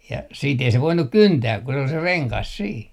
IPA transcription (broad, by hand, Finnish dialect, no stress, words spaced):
jɑ siːt ei se ʋoinuk kyntæː ku se ol se reŋkɑs siː